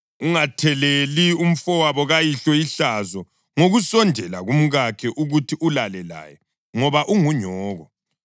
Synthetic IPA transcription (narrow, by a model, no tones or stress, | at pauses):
uŋatʰɛlelium̩fɔwaβɔɣajiɬɔiɬazɔ | ŋoɣusɔndʱɛlaɣum̩ɣakʰɛʔuɣutʰiʔulalɛla̰jɛ | ŋɔβaʔuŋuɲɔːɣɔ